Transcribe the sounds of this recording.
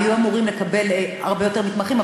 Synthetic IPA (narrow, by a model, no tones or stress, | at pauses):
juamuʁimlekabe̞laʁbejote̞ʁmit̪maχima